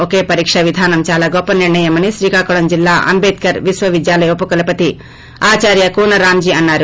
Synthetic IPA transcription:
okeːpɐɾiːkʂɐʋid̪ʱaːnɐmt͡ʃaːlaːɡɔpːɐniɾɳɐjɐmɐniʃɾiːkaːkuɭɐmd͡ʒilːaːʔɐ̰mbeːt̪̚kɐɾʋisʋɐʋid̪jaːlɐjopːɐkɐlɐpɐt̪i | aːt͡ʃaːɾjɐkuːnɐɾaːmd͡ʒiːɐnːaːɾu

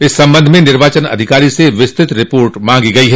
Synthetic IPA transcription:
ɪsːɐ̃mbə̃nd̪ʱmẽnɪɾʋaːt͡ʃənɐ̰d̪ʱɪkaːɾiseʋɪst̪ɪt̪ɾɪpoːɾʈmãːŋɡiɡɐiɦɛː

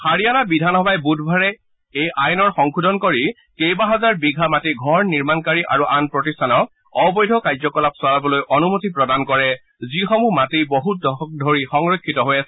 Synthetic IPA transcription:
xaɹijanabidʱanɔbajbudʱbʱaɹɛ | ejʔajnɔɹxɔŋkʰudʱɔnkoɹi | kejbaɦazaɹbiɡʱamatiɡʱɔɹniɹmankaɹiʔaɹuʔanpɹɔtistʰanɔk | ɔbɔjdʱɔkajzɔkɔlapswaɹabɔlojʔɔnumutipɹɔdankɔɹɛ | zixɔmumatiboɦut̚dɔxɔk̚dʱoɹixɔŋɹokʰːitɔɦojasɛ

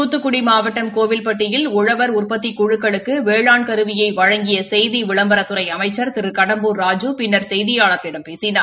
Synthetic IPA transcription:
uːt̪ːɯkːʊɽimaːʋɐʈːɐmkoːʋɪlpɐʈːɪjɪlʊɻɐʋɐɾʊrpɐt̪ːikʊɻɯkːɐɭɯkːɯʋeːɭaːɳkɐɾɯʋɪjɐɪʋɐɻɐŋɡɪjɐsɛjðiʋɪɭɐmbɐɾɐt̪ːɯɾɐɪɐmɐɪt͡ʃːɐɾt̪ɪɾɯkɐɽɐmbuːɾaːd͡ʒupɪnːɐɾsɛjðɪjaːɭɐk̪ːɪɽɐmpeːsɪnaː

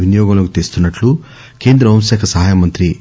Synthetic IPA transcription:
ʋinijɔːɡɐmloːkut̪eːst̪unːɐʈlu | ke̞ːnd̪ɾɐɐmsɛːkʰɐsɐɦaːjamɐnt̪ɾi

